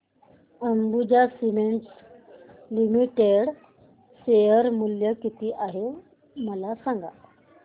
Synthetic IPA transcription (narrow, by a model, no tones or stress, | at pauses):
əmbud͡ʑasimeɳʈs | limiʈeɽ | sejəɾmuljəkit̪iːʔaɦe | məlasãŋɡa̰